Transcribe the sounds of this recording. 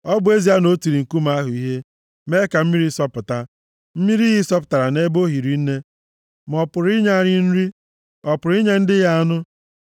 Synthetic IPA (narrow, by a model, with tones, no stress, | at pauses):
ɔ˦bʊ˦e˦zi˦a˦no˦ti˨ɾi˨ŋ̩˨ku˦m˨a˦ɦʊ˨i˦ɦe˦ | me˦ka˨m̩˦mi˦ɾi˦sɔ˦pʊ˨ta˦ | m̩˦mi˦ɾi˦ɦɪ˦sɔ˦pʊ˨ta˨ɾa˨ne˦bo˦ɦi˨ɾi˨n̩˦ne˦ | m˨ɔ˨pʊ˨ɾi˦ɲa˦˨ɲɪ˦n̩˦ɾi˦ | ɔ˨pʊ˨ɾi˦ɲe˦n̩˦dɪ˦ɣa˦a˦nʊ˦